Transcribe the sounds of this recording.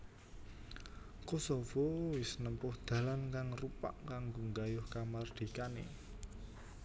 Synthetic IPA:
kosovɔwɪsnəmpʊhd̪̥ä̤lankaŋrupa̰ʔkaŋɡoŋɡajʊhkamard̪̥i̤kanḛ

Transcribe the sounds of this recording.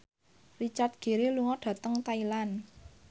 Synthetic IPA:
rit͡ʃat̪̚ɡ̥e̤ɾeluŋɔɖ̥ä̤t̪əŋt̪ailan

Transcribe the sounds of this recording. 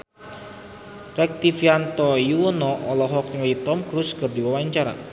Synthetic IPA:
rɛk̚t̪ifjant̪ɔjuwɔnɔʔɔlɔɦɔk̚ŋajit̪ɔmkɾuskɨrdiwawaɲt͡ʃaɾa̰

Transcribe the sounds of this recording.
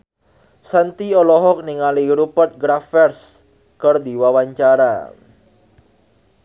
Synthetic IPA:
sant̪iɔlɔɦɔk̚niŋaliɾupərt̪̚ɡɾafɛrs | kərd̪iwawaɲt͡ʃaɾa̰

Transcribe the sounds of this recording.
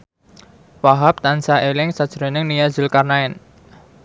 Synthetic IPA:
waɦap̚t̪ansaʔelɪŋsad̥ʒ̥əɾonɪŋnijad̥ʒ̥ɪlkarnaɛn

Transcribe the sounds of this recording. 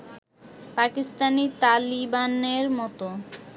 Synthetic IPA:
pakist̪anit̪alibaneɾmɔt̪o

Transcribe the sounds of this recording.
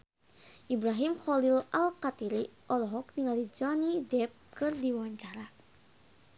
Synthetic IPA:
ʔibɾaɦimxɔlilalkat̪iɾiʔɔlɔɦɔk̚niŋalid͡ʒɔnidɛp̚kɨrdiwaɲt͡ʃaɾa

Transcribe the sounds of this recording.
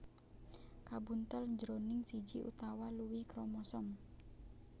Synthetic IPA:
kabunt̪əlɲd͡ʒəɾonɪŋsid͡ʒiʔṵt̪awaluwɪhkɾɔmɔsɔŋ

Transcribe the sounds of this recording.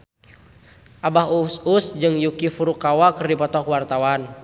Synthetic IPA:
ʔabaɦususd͡ʒɨŋjukifuɾukawakɨrdipɔt̪ɔkwart̪awan

